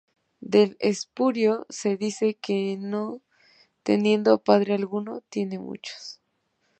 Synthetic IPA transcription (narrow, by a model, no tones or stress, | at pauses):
d̪e̞lespuɾjo̞se̞ðise̞keno | t̪e̞̰nje̞nd̪opaðɾealɣuno̞t̪je̞ne̞mṵt͡ʃo̥s